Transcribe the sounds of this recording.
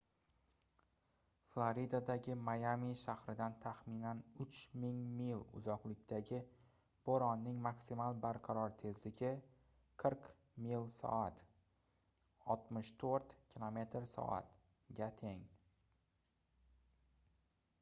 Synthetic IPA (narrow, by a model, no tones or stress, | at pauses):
flˠoɾid̪ad̪aɡʲɪmajamiʃahɾɪd̪ant̪ʰaχminanʊt͡ʃmɪŋmilˠʊ̰zɒqlɪkʲt̪ʰaɡʲɪ | b̥oɾɒnːɪŋmaksimalˠbaɾqʰɑɾɒɾt̪ʰe̞zlɪɡʲɪ | qʰɨɾq | milˠsɒ̰at̪ | ɒlˠt̪mɪʃt̪ʰoɾt̪kʲʰilˠome̞t̪ɾsɒ̰ʔa̰t̪ | ɡʲat̪ʰeŋ